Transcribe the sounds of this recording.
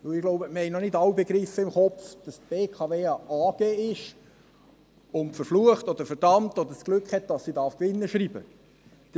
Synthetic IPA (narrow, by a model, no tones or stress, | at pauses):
ʋɪwɪɡ̥loʊbəməhɛɪnɔnɪdɑwbeɡɾifəɪmχɔfd̥ɑst̚b̥eːkʰɑveːɑʔɑːɡ̥eːɪʃ | ʊntfəɾfluəχtɔd̥̪əɾfɛɾd̥ɑmtɔd̪əɾsɡ̥lʉkhɛt̚d̥ɑsːidɑːɾfkʋɪnːəʃɾiːb̥ə̥